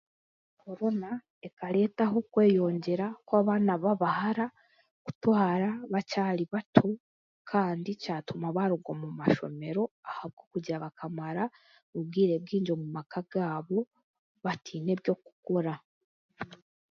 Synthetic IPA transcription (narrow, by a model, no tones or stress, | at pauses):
kʰo̞ɾo̞na | e̞kaɾe̞ːtaɦo̞kwe̞ːjo̞ːɲɟe̞ɾakwaːβaːnaβaβahaɾa | ku̥twaːɾaβacaːliβatʰo | kʰaːndicaːtumaβaɾuɡomumaʃo̞̰me̞ɾo̞ahaβɡo̞kuɟaβakamaɾa | βubɡiːɾe̞b̚ɡiːɲd͡ʒo̞mumakaɡ̥aːβo̞ | βatʰiːne̞βjo̞ku̥koɾa